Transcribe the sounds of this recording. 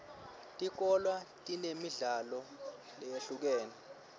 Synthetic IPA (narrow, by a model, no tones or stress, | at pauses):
tʼik̬ɔlwatʼinemiɮalɔ | lɛjeɬuk̬ɛːnɛ